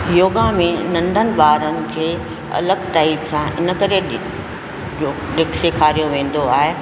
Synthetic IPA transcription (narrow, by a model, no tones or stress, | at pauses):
joːɠãmẽnɐ̃ɳɖʱənɪ̆baːɾənɪ̆d͡ʑeː | ɐ̰ləɡʈaːɪpsãʔɪ̰nə̆kəɾeɗ | d͡ʑoː | ɗɪkʰsekʰaːɾijoʋẽːn̆d̪oaːɦe